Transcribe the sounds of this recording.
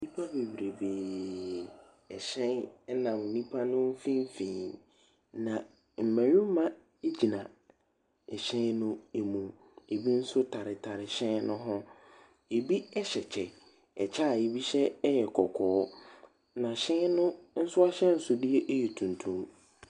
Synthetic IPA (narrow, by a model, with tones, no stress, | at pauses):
nĩ˦pʰa˦be˨bɾe˨beː˨ | ɛ˨ɕɛ̃˦nɛ˦nã˨m˨nĩ˦pʰa˦nʊ̃˦m̩˦fĩ˦m˦fĩː˨ | nã˨ | m̩˨mæ̃˨ɾĩ˦mã˦ | e˦d͡ʑi˨nã˨ | ɛ˨ɕɛ̃˦nnʊ̃˦e˨mũ˨ | e˨bi˦n̩˦sʊ˦tʰa˨ɾɪ˨tʰa˨ɾɪ˨ɕɛ̃˦nnʊ̃˦ɦʊ̃˦ | e˨bi˦ɛ˦ɕɛ˨t͡ɕʰɛ˨ | ɛ˨t͡ɕʰa˦˨e˨bi˦ɕɛ˦jɛ˨kʰɔ˨kʰɔː˨˦ | nã˨ɕɛ̃˦nʊ̃˦n̩˦sʊ˦a˦ɕɛ̃˦n̩˦sʊ˦di˦ɛ˦ʔe˦jɛ˨tʰũ˨n˨tʰũ˦m